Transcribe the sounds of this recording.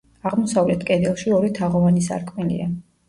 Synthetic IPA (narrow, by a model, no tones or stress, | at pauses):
aʁmɔsavlɛt̪ʰkʼɛd̪ɛlˠʃiɔɾit̪ʰaʁɔvanisa̰ɾkʼmilḭa